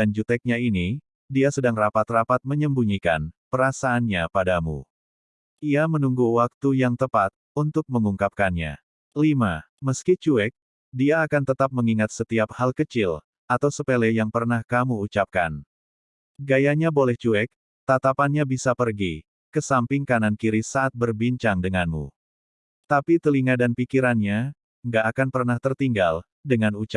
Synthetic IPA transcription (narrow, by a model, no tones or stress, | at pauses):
dand͡ʒut̪ɛk̚ɲaini | diasədaŋrapat̪rapat̪̚məɲəmbuɲika̰npəɾasaːnɲapadamṵ | ʔiamənuŋɡuwak̚t̪ujaŋt̪əpat̪̚unt̪ʊk̚məŋuŋkap̚kanɲa̰ | lima | məskit͡ʃuɛk̚ | diaːkant̪ət̪ap̚məŋiŋat̪̚sət̪iap̚halkət͡ʃɪl | at̪awsəpelɛjaŋpərnahkamuːt͡ʃap̚kan | ɡajaɲabolɛht͡ʃuɛk̚ | t̪at̪apanɲabisapərɡi | kəsampɪŋkanankiɾisaʔːt̪̚bərbiɲt͡ʃaŋdəŋanmṵ | t̪apit̪əliŋadanpikiɾanɲa | ŋɡaʔːkanpərnaht̪ərt̪iŋɡal | dəŋanut͡ʃa